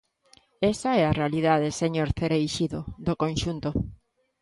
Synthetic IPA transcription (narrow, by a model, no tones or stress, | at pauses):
esaɛarealiðaðeseɲoɾθeɾejʃiðoðokõnʃunt̪o